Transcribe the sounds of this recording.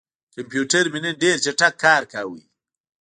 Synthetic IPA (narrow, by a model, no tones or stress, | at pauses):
kɐmpjuːʈɐɾmineɖeːɾt͡ʃɐʈɐkʰːaːɾkaːwḭ